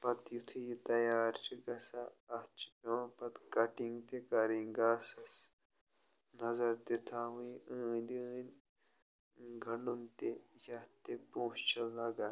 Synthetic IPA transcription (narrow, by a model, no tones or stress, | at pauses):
pɐt̪jut̪ʰijit̪ɐjaːɾt͡ʃiɡɐsaːt͡ʃɐ̃pɐt̪kɐʈiŋɡt̪ekɐɾĩŋɡaːsɐs | nɐzɐɾd̪et̪ʰaɦuĩəːnd̪iə̃ːn | ɡʱɐɳunt̪ejɐt̪epõːst͡ʃɐlɐɡa